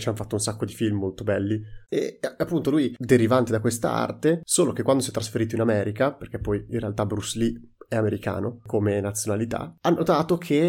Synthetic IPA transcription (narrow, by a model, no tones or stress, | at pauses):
t͡ʃianfat̪ːounsakːod̪ifilmmolt̪obɛlːiḛapːunt̪olujd̪eɾivant̪ed̪akwest̪a̰a̰rt̪esoːlok̟ekwand̪osiɛt̪ːɾasfeɾiːt̪oinamɛːɾʔikaperk̟epːɔjinrealt̪abɾusliɛameɾika̰ːnokomenat̪sjonalit̪a̰anːʔot̪aːt̪okʰe